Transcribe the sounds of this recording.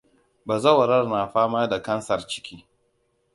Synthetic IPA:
baː˨zɐ˦˨wɐ˨ɾɐ˦rnaː˨ɸaː˦maː˦da˨kɐ˦nsɐ˨rt͡ʃɪ̥˦kʲiː˦

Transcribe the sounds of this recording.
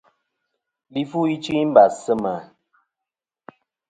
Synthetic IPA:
li˦fu˦i˦t͡ʃi˦m̩˦ba˨sə˦mə˨

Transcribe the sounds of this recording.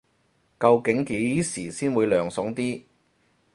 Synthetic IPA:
kɐ˧wkɪ˨˥ŋke˨˥jsiː˨˩siː˥nwuː˨˧jlœː˨˩ŋsʊ˨˥ŋt̪iː˥

